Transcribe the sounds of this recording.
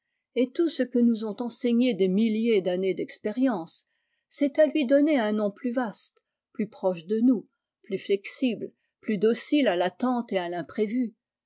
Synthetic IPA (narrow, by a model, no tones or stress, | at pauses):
et̪usəkənuzɔ̃t̪ɑ̃seɲed̪emiljed̪aned̪ɛkspeʁjɑ̃sː | ɛt̪alɥid̪ɔneɛ̃nɔ̃plyvast̪ | plypχɔʃd̪ənu | plyflɛksibl | plyd̪osilalat̪ɑ̃t̪ealɛ̃pχevy